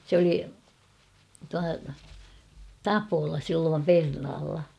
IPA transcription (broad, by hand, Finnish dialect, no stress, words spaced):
sĕ oli tuɑ tɑpolɑ silːoːm pernɑːlːɑ